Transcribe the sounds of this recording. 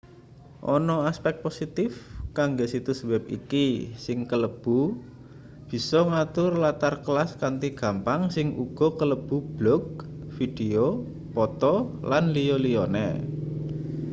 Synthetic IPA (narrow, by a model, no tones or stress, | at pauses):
ʔɔnɔaspɛk̚t̪̚posit̪ɪfkaŋɡesit̪usəwɛp̚ḭkisɪŋkələb̥ṳ | b̥i̤sɔŋat̪ʊrlat̪arkəlaskant̪iɡ̥a̤mpaŋsɪŋʔṵɡ̥ɔ̤kələb̥ṳb̥lɔk̚fid̥eo | pɔt̪ɔlanliolijɔnḛ